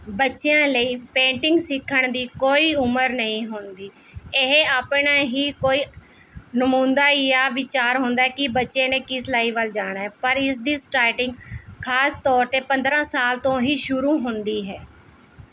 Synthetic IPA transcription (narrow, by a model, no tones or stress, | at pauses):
bətːʃejãːləiːpẽːɳʈɪŋɡsɪkʰːəɳd̪iːkoːiːʊməɾnəĩːɦʊnd̪iːɪɦeaːpɳaːɦiːkoːiː | nəmũːnd̪aːjaːʋɪt͡ʃaːɾɦʊ̃ːnd̪aːɛːkɪbətːʃẽːnẽːkɪslaːiːʋəld͡ʒaːɽ̃aːɦɛːpəɾɪs̬d̪iːsʈɾaːʈɪŋɡkʰaːst̪ɔːɾt̪eːpə̃nd̪ɾãːsaːlt̪õːɦiːʃʊɾuːɦʊnd̪iːɦɛː